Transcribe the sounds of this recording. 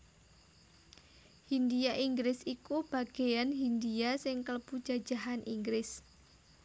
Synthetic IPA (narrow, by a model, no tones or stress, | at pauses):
hind̪iaʔiŋɡɾɪsikub̥a̤ɡ̥e̤janɦind̪iasɪŋkələbu̥d͡ʒ̥ḁd͡ʒ̥aɦanʔiŋɡɾɪs